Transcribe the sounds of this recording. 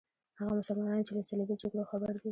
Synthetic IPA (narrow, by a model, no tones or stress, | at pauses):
haɣamʊsʊlmɑnɑnot͡ʃelasalabid͡ʒaɡɽoxabaɾd̪i